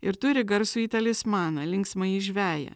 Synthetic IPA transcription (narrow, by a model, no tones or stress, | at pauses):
ɪɾt̪ʊɾʲɪɡɐɾsuiːt̪ɐlʲɪsmɑːnɐlʲɪŋksmɐiʒʲʋʲæːjɛ̰